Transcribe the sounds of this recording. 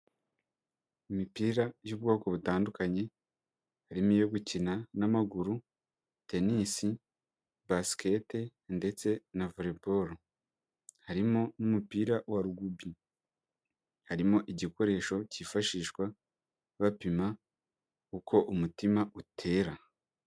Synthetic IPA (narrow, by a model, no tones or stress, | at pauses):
imipiːɾajuːbɡo̞ːko̞βutaːndukaɲe̞ | haɾimijo̞ɡucinanamaɡuɾu | te̞nisi | baske̞tende̞t͡se̞navoɾe̞bo̞ɾo | haɾimonumupiːɾawaɾuɡubi | haɾimoʔiɟiko̞ɾe̞ːʃo̞cifaʃiːʃɡwa | βapima | ukʰo̞ʔumutimautʰe̞ːɾa